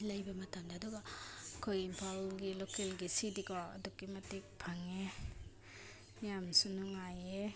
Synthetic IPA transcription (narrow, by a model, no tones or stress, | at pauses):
lajbɐmatʰamdaːduɡakʰojimpʰalɡilokelɡisidikɔa̰dukːimatik̚pʰaŋe | nijamsunuŋaje